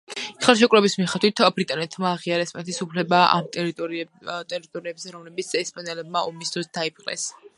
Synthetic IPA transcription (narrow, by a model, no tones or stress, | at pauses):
iχalˠʃ̬ɛkʼɾɛbismiχad̪wit̪ʰbɾit̪ʼanɛt̪ʰmaːʁiaɾɛspʼanɛt̪ʰisupʰlɛbaa̰mt̪ | t̪ʼɛɾit̪ʼɔɾiɛbzɛɾɔmlɛbit̪sʰɛspʼanɛlɛb̚maɔmisd̪ɾɔsd̪̥aipʰqʼlɛ̰s